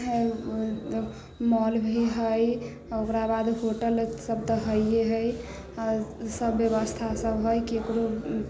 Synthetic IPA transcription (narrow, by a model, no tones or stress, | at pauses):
ɦ | mɔlbʱiɦəj | okɾabad̪ɦoʈəlsəb̚t̪əɦəjeɦəj | səbːjəbəst̪ʰasəbɦojkiekɾo